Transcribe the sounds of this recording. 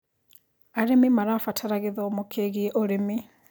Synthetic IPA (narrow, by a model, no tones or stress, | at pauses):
aɾemimaɾafatʰaɾaɣeðɔmokʰeɣiɛʔoɾemi